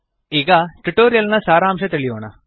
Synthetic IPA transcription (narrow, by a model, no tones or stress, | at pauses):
ɪɡaʈuʈːoːɾijɐlnɐsaːɾaːmʂɐt̪eɭɪjoːna̰